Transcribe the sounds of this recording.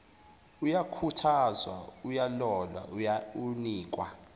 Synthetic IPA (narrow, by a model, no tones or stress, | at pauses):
ujakʰutʰazwa̰ujalɔlwa̰ʔujauniːkʼwa̰